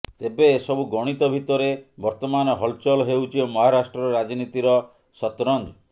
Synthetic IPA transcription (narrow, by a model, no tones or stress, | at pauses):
t̪ebeːsɔbuɡɔɽ̃it̪ɔbʱit̪ɔɾebɔɾt̪ɔmanɔɦɔlt͡ʃɔlɔɦewt͡ʃʰimɔɦaɾasʈɾɔɾɾad͡ʒnit̪iɾɔ | sɔt̪ɾɔnd͡ʒɔ